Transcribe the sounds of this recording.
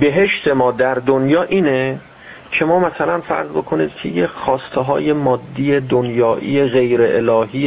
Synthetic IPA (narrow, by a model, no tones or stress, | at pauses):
be̞ɦe̞ʃt̪ʰe̞mɒːd̪æɾd̪onjɒːʔiːne | cʰe̞mɒːmæsælænfæ̰ɾzbo̞kʰo̞nḭːd̪̥cʰḛjexɒːst̪ʰeɦɒ̰ːje̞mɒːd̪ːiːjed̪onjɒːʔḭːjeɣe̞jɾeʔelɒːɦiː